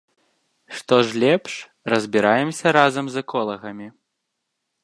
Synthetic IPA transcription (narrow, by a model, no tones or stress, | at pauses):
ʂt̪ɔʐlʲɛpʂ | rɐzʲbʲiɾajɛmsʲɐɾazɐmzɐkɔlˠɐɣɐmʲi